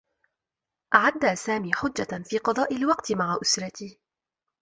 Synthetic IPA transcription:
ʔaʕad̪ːaːsaːmiːħʊd͡ʒːafiːqɑd̪ˤɑːʔɪlwɑqt̪ɪmaʕaʔʊsɾˤɑt̪iː

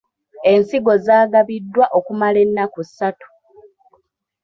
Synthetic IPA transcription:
e̞nsiɡo̞zaːɡaβidːwaʔo̞kumale̞nːakusːatu̥

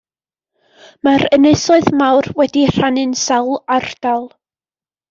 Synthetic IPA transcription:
maɾəneɨsɔɨðmawrwɛdir̥anɨnsawlˠard̥alˠ

